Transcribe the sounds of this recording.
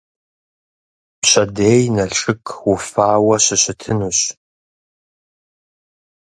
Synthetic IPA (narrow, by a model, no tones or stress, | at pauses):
pɕɐdeːjnɐɬʼɨkʰwʊfaːwɐɕɪɕɪtʰɨnuːɕ